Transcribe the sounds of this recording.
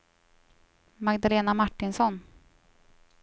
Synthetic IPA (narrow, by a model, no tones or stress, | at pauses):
maɡd̪aleːnamaʈːɪnsɔn